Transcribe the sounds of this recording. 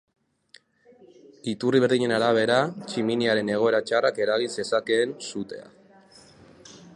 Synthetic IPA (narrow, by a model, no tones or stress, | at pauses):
it̪uriβ̞e̞ɾðiɲe̞naɾaβ̞e̞ɾat͡ʃiminiaɾe̞ne̞ɣ̞o̞e̞ɾat͡ʃarake̞ɾaɣinse̞sake̞ːnsut̪e̞̰a̰